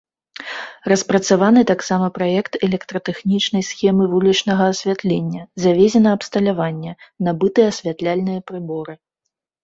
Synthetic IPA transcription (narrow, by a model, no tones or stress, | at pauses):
rɐspɾɐt̪savan̪ɨt̪aksamɐpɾajɛkt̪ɛlʲɛkt̪ɾɐt̪ɛxnʲit͡ʂnɐjsxʲɛmɨvulʲit͡ʂnɐɣɐːsʲvʲat̪lʲɛnʲːɐzavʲezʲɛnɐɐpst̪ɐlʲavanʲːɛnabɨt̪ɨjɛɐsʲvʲat̪lʲalʲnɨjɐpɾɨbɔɾɨ